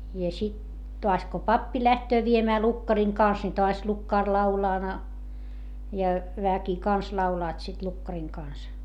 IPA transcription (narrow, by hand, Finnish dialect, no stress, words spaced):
jɑ sit toɑs ko pɑpːi læhtøː ʋiemæː lukːɑriŋ kɑˑns ni toɑs lukːɑˑr lɑulɑː nɑ jɑ ʋæki kɑns lɑulɑːt sit lukːɑriŋ kɑˑns